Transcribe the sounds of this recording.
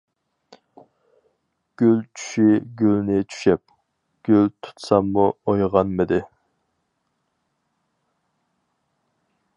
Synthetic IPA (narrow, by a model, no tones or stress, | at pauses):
ɡ̥ʲylt͡ʃʰy̥ʃiɡʲylnɪt͡ʃʰy̥ʃɛp̚ | ɡ̥ʲylt̪ʰu̥t̪sɑmːuojʁɑnmɪd̪ɪ